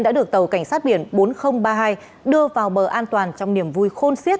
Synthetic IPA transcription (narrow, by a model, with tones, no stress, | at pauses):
nɗa̰ː˧˥ɗɨ˨˩ək̚t̪ə˨˩wka˧˩jŋ̟saː˦˥t̚ɓi˧˩ənɓo˨˦nxə˧wŋ͡mɓaː˧ɦaː˧j | ɗɨ˧əvaː˨˩wɓəː˨˩ʔaː˧nt̪waː˨˩nt͡ɕɔ˧wŋ͡mni˧˩əmvu˧jxo˧nsi˦˥t̚